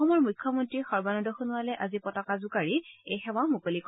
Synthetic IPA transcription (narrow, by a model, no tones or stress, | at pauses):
ɔmɔɹmujkʰːɔmɔntɹixɔɹbanɔdɔxunuwalɛʔazipɔtɔkazʊkaɹiejxɛwamukolik